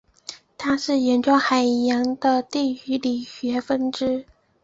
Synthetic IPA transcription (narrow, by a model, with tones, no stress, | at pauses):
t̪ʰa˥ʂɻ̩˥˩jɛ˧˥nʈ͡ʂwɑ˥ŋxa˨˩ɪjɑ˧˥ŋd̪ə˧t̪i˥˩y˧˥li˨˩ɕɥɛ˧˥fə˥nʈ͡ʂɻ̩˥